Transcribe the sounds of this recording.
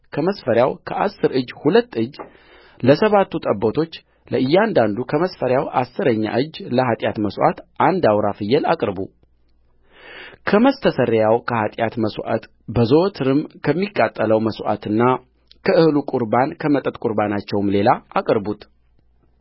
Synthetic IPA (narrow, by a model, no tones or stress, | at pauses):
kʰəməsfəɾjawkʰəʔasːɨɾɨd͡ʒːhulət̪ːɨd͡ʒː | ləsəβat̪ːut̪ʼəbːot̪ʰo̞t͡ʃː | ləʔɨjːɛand̪and̪ukʰəməsfəɾjawʔa̰sːɨɾəɲːa̰ʔɨd͡ʒːləɦat̪ʼjat̪məswʔa̰t̪ʔand̪awɾafɨjːɛla̰kʼɾbu | kʰəməst̪ʰəsəɾjawkʰəhat̪ʼjat̪məsʔa̰t̪ | bəzot̪ʰɨɾɨmkʰəmːikʼːat̪ʼːələwməsʔa̰t̪ʰɨnːa | kʰəɨhlukʼuɾbankʰəmət̪ʼət̪ʼkʼuɾbanat͡ʃːɛwmle̞laakʼɾbut̪ʼ